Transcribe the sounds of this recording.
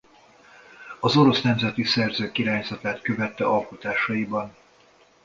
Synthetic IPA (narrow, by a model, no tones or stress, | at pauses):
ɒzo̞ɾo̞snɛmzɛt̪isɛrzøːkiɾaːɲzɒt̪aːt̪kø̞vɛt̪ːɛʔɒlko̞t̪aːʃɒjibɒn